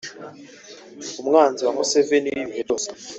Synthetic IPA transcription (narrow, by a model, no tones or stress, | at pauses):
um̩ŋand͡zʱiwamusɛveniivɛtɔs